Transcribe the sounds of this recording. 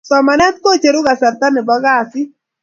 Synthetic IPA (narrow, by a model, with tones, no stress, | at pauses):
sɔ˨ma˨nɛ˦t̪ko˦t͡ʃe˨ɾʊ˦ɡa˨sa˨rt̪a˦nɪ˨bɔ˦ɡa˦˨sɪ˦